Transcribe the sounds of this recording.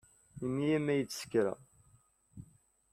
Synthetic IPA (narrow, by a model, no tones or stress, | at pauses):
imːijæmːæjət͡sːsə̥kɾæ̰